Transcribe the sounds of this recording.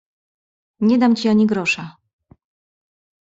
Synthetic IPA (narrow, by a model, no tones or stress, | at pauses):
ɲɛd̪amt͡ɕiaɲiɡɾɔʂa